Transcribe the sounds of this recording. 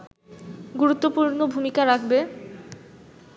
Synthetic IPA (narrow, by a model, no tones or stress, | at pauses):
ɡuɾut̪ːopuɾnobʱumikaɾakʰbe